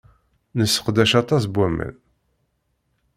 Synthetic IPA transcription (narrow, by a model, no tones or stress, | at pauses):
nəsːə̥qd̪æʃɑt̪ˤɑsbwæmə̰n